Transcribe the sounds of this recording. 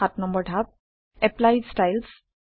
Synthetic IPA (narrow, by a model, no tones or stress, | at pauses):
atnʌmbəɾɖʱap̚ | eplajsʈajls